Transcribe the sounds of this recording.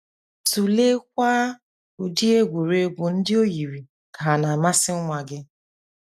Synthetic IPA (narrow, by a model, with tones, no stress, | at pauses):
tu˨le˦k̚ʷa˦ | ʊ˨di˦e˦ɡʷu˨ɾe˦bʊ˨n̩˦dɪ˦o˦ji˨ɾi˨ | ka˨a˨na˨ma˦sɪ˦ŋʷa˨ɡɪ˦